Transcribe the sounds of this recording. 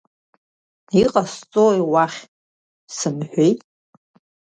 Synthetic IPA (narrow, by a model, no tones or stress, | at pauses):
iqʼast͡sʼojwaχʲ | sɨmħʷᶣejtʼ